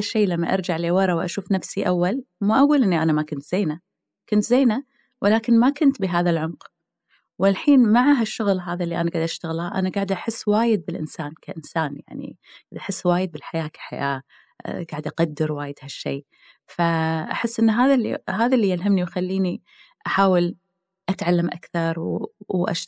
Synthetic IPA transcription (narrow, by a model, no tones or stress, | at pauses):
aʃːeːlamːaʔɑ̰ɾˤd͡ʒaʕleːwɑɾˤɑwʔa̰ʃuːfnafsiʔawːalmaʔaɡuːlʔɪnːiʔanamakʊnt̪z̥eːna | kʊnt̪zeːna | wʔɪlaːkɪnmakʊnt̪bɪɦaːðalʕʊnq | wɪlħiːnmaʕaɦaʃːʊɣlɦaːðaʔlːiʔanaɡad̪ʔaʃt̪aɣlaʔa̰naɡaʕɪd̪ʔaħɪsːwaːjɪd̪̚bɪlʔɪnsaːnkʰaʔɪnsaːnja̰ʕnḭɡaːd̪ʔaħɪsːwaːjɪd̪̚bɪlħajaːkʰḁħa̰jaː | ɡaʕd̪ʔaqad̪ːɪɾwaːjɪd̪haʃːḛː | faʔaħɪsːʔɪnːɦaːðaɦaːðalːijɪlɦamniwxalːiːni | ʔaħaːwɪl | ʔat̪ʕalːamʔa̰kθɑɾˤʔa̰ʃ